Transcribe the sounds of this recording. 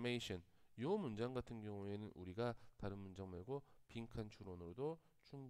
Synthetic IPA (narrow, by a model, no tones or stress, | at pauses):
meiɕʰʌnjomund͡ʑaŋɡatʰɯnɡjʌŋue̞nɯnʔuɾiɡataɾɯnmund͡ʑaŋmaɭɡopiŋkʰant͡ɕʰuɾonɯɾodo | t͡ɕʰuŋ